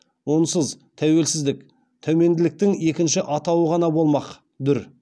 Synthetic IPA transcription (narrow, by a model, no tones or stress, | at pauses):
wonsəz | t̪ʰæwe̞lsɪzd̪ɪk | t̪ʰɵme̞nd̪ɪlɪk̚t̪ɪŋe̞kʲɪnʃɪʔɑt̪ɑwəʁɑnɑbo̞lˠmɑq | d̪ʏɾ